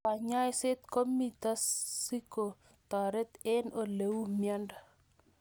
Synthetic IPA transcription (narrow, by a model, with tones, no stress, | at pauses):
pa˨ɲa˦jsɪ˦t̪ko˦mi˨t̪a˦si˦ko˨ | t̪ɔ˨ɾɛ˦t̪ɛ˦no˨le˨wu˦mja˦nda˨